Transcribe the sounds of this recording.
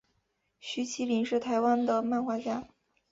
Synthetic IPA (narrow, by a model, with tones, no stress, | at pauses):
ɕy˧˥t͡ɕʰi˧˥li˧˥nʂɻ̩˥˩t̪ʰa˧˥ɪwa˥nd̪ə˨ma˥˧nxwa˥˧t͡ɕja˥˩